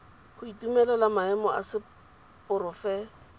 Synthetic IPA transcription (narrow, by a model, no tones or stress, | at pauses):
hʊitumɛlalamaɛmɔʔa̰sɪ | pʊɾɔfɛ